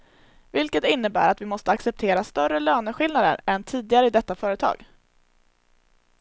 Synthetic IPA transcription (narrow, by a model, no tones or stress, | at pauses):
vɪlkət̪ɪnːəbæ̰ːɾat̪vɪmɔst̪əaksɛp̚t̪ʰeːɾast̪œrəløːnəɧɪlnad̪ə̰ɾɛnt̪ʰiːd̪ɪɡaɾəɪd̪ɛt̪ːafœːɾət̪ʰɑ̰ːɡ̥